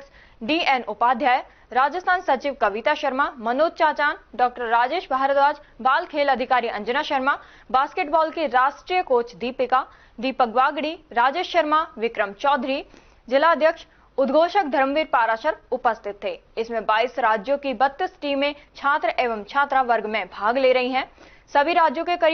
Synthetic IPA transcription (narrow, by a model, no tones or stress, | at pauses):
ɖiːenʊpaːd̪ʱjaːj | ɾaːd͡ʒəst̪ʰaːnsɐt͡ʃiːʋkɐʋɪt̪aʃɐɾmamɐnoːd̪̚t͡ʃaːt͡ʃaːnɖɔːk̚ʈəɾːaːd͡ʒeːʃbʱaːɦɾət̪ɾaːd͡ʒbaːlkʰeːlɐd̪ʱɪkaːɾiɐ̃nd͡ʒənaʃəɾma | baːskeːʈbɔːlkiɾaːʃʈɾiːjəkoːt͡ʃd̪iːpɪka | d̪iːpəkʋaːɡɽiɾaːd͡ʒeːʃəɾmaʋɪkɾəmt͡ʃɔːd̪ʱɾi | d͡ʒɪlaəd̪ʱjəkʃ | ʊd̪ɡʱoːʃək̚d̪ʱɐɾmʋiːɾpaːɾaːʃəɾʊpəst̪ʰɪt̪ːeːɪsmẽbaːisɾaːd͡ʒjõkibɐt̪ːəsʈĩːmẽt͡ʃʰaːt̪ɾəʔeːʋəmt͡ʃʰaːt̪ɾaʋɐɾɡmẽbʱaːɡleːɾɐɦiɦɛ̃ː | sɐbʱiɾaːd͡ʒjõkekɐɾ